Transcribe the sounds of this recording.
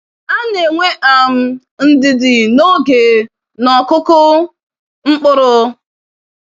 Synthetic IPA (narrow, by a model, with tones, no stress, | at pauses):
a˦ne˨ŋʷe˦ʔa˨m̩˦ | n̩˦dɪ˨dɪ˨no˦ɡe˨ | nɔ˨kʊ˦kʊ˦ | ŋ͡m̩˦k͡pʊ˦ɾʊ˦